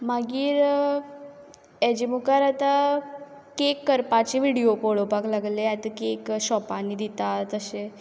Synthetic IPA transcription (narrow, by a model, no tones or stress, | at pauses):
maɡiːɾ | ɛd͡ʑimukaɾat̪a | kekːəɾpat͡ɕeʋiɽiopɔɭopaklaɡleat̪əkekɕɔpanːid̪it̪at̪əɕe